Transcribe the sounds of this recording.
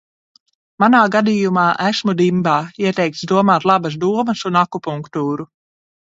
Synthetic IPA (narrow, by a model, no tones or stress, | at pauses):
manaːɡad̪ijumaːʔæsmud̪imbaːiɛt̪ɛjk̚t̪sd̪uɔmaːt̪lˠabɐs̬d̪uɔmɐsunakupuŋkt̪uːɾu